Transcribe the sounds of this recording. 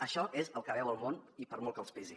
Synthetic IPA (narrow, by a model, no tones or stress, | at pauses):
əʃɔʔezəlˠkəβɛwəlˠmonipəɾmɔlˠkəlˠspizi